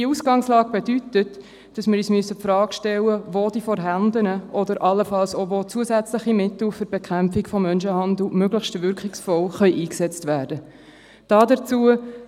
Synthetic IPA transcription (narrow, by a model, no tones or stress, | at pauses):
d̥iəusɡ̥ɑŋslɑːɡ̥̚b̥edytət | d̥ɑsmɪɾyːsmyəsːəpfɾɑːkʃtɛlːəvoːd̥iːfɔɾɦændənəʔɔdəɾʔɑlːəfɑlsovot͡suəsæt͡sləχimɪt̪l̩fʏɾb̥ɛkχæmpfikfɔmːœnʃəhɑndl̩møɡləxʃtʋʏɾkχɪksfɔlχœʏʔiːksɛt͡stvæːɾd̥ə | d̥ɑːdət͡suə